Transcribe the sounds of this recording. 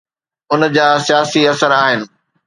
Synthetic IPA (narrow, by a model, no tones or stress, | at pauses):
ʊnd͡ʑaːsijaːsiɐsəɾaːɦɪnɪ̆